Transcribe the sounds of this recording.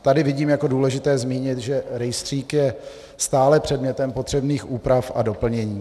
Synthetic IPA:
t̪adɪvɪɟiːmjako̞duːlɛʒɪt̪ɛːzmiːɲɪt̪ʒɛɾɛjst̪r̥iːkjɛ | st̪aːlɛpr̝̥ɛdmɲɛt̪ɛmpo̞t̪r̝̥ɛbniːxʔuːpɾafʔado̞pl̩ɲɛɲiː

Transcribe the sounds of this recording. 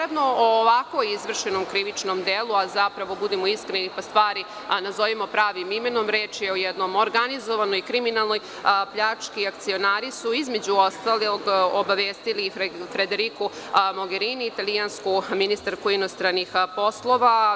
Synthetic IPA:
ed̪nooːʋako̞izʋr̩ʃenomkɾiʋit͡ʃnomd̪eːlˠuazapɾaʋo̞bud̪emoiskɾenipast̪ʋaːɾi | nazo̞ʋimo̞pɾaːʋimimenomɾeːt͡ʃeojɛd̪no̞moɾɡanizoʋanojkɾiminalˠno̞j | pʎat͡ʂkiakt̪sio̞naːɾisuizmed͡ʑuost̪aloɡobaʋeːst̪ilifɾed̪eɾiku | mo̞ɡeɾiːniːt̪alianskuminist̪aɾkuinost̪ɾanixpo̞slˠo̞ʋa

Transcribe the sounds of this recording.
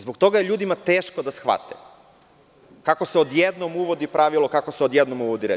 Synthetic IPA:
zbok̚t̪o̞ɡajeʎuːd̪imat̪eːʃkod̪asxʋa̰t̪ḛ | kako̞seod̪jed̪nomuʋo̞d̪ipɾaʋilˠo̞kakoseod̪jed̪nomuʋod̪iɾḛ

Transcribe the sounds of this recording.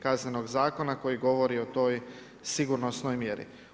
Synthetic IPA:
kazne̞no̞ɡzaːko̞nako̞jiɡo̞ʋo̞ɾio̞t̪o̞j | siɡuɾno̞sno̞jmjeɾḭ

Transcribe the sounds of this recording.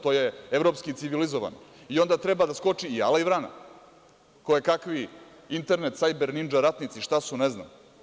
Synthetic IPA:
t̪oːje̞evɾo̞pskit̪siʋilizoʋa̰noio̞nd̪at̪ɾebad̪asko̞t͡ʂiːa̰laiʋɾana̰ | kojekakʋi | int̪e̞ɾnet̪sajbeɾnind͡ʒaɾat̪nit̪siʃt̪asunezna̰m

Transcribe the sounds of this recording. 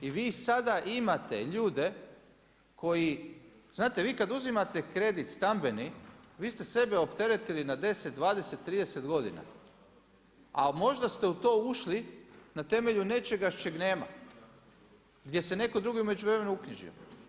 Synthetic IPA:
iʋiːsad̪aʔimat̪ḛʎuːd̪e̞ | kʰo̞jiz̥naːt̪e̞ʋiːkad̪uzimat̪e̞kɾe̞d̪it̪st̪ambe̞niʋiːst̪ese̞beo̞pt̪e̞ɾet̪ilinad̪e̞set̪̚d̪ʋaːd̪eset̪ːɾiːd̪ese̞t̪ɡo̞d̪ḭna̰ | amo̞ʒd̪ast̪eut̪o̞ːuʃlinat̪e̞me̞ʎune̞t͡ʃe̞ɡaʃt͡ʃeɡne̞ːma̰ | ɡd̪je̞sene̞ko̞d̪ɾuɡiume̞d͡ʒuʋɾeme̞nuukɲiʒḭo̰

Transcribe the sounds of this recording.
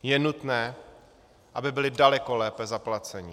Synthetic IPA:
jɛnut̪nɛː | ʔabɪbɪlɪdalɛko̞lɛːpɛzaplat͡sɛɲɪ

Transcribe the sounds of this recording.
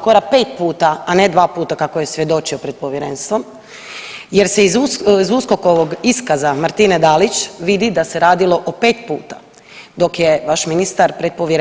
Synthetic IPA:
koɾape̞ːt̪puːt̪aːne̞d̪ʋaːpuːt̪akako̞je̞sʋje̞d̪o̞t͡ʃio̞pɾed̪̚po̞ʋjeɾeːnst̪ʋo̞m | je̞ɾse̞izuzusko̞ko̞ʋoɡiskazamaɾt̪ined̪alit͡ʃʋid̪id̪ase̞ɾaːd̪ilo̞ʔope̞ːt̪pṵːt̪ḁ | d̪o̞kjeʋaʃminist̪aɾpɾet̪̚po̞ʋje

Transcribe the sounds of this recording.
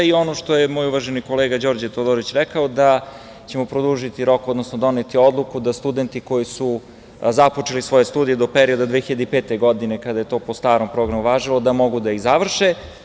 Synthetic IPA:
io̞no̞ʃt̪o̞jemoːjuʋaʒeniko̞leɡad͡ʑo̞ːɾd͡ʑet̪od̪oɾit͡ɕɾɛkaod̪a | t͡ɕe̞mo̞pɾod̪uʒit̪iɾo̞kod̪nosnod̪o̞net̪io̞d̪lˠukud̪ast̪ud̪ent̪iko̞jisu | zapo̞t͡ʂelisʋo̞jest̪uːd̪ijed̪opeɾio̞d̪ad̪ʋexiʎad̪eipeːt̪eɡo̞d̪ine̞kad̪aje̞t̪o̞ːpost̪aːɾompɾo̞ɡɾamuʋaːʒilo̞d̪amo̞ɡud̪aiɣzaʋr̩ʃe

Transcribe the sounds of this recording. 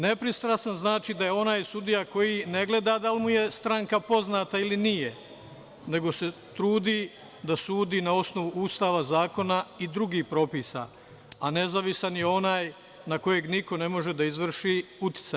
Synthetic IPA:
ne̞pɾist̪ɾasanznaːt͡ʃid̪aje̞o̞naːjsud̪ijako̞jine̞ɡle̞d̪ad̪alimuje̞st̪ɾaŋkapo̞znaːt̪ailinije | ne̞ɡo̞se̞ | t̪ɾuːd̪i | d̪asuːd̪iːnao̞sno̞ʋuʔuːst̪aːʋazaːko̞naid̪ɾuɡiːhpɾo̞piːsa̰ | ane̞zaʋisanjeo̞naːj | nako̞je̞ɡniko̞ne̞mo̞ʒe̞d̪aizʋr̩ʃiut̪i̥t̪sa

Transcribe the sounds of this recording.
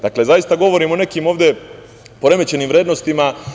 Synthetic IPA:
d̪akle̞zajist̪aɡo̞ʋo̞ɾiːmone̞kiːmo̞ːʋd̪e̞ | po̞ɾe̞met͡ɕe̞niːmʋɾjeːd̪nost̪ima

